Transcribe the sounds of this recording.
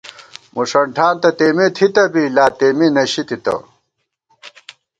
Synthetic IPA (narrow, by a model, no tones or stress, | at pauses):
muʂɐɳʈʰaːnt̪ɐt̪eːmet̪ʰit̪ɐbilaːt̪eːminɐɕit̪it̪ɐ̰